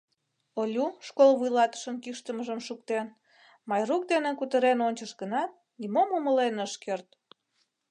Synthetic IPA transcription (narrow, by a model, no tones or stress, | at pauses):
olʲuʃkolβujlɑt̪ə̥ʃənkiʃt̪əməʒəmʃuk̚t̪en | mɑjruk̚d̪enekut̪əɾenonʲt͡ɕəʃɡənɑt̪̚ | nimomuməlenəʃkert̪̚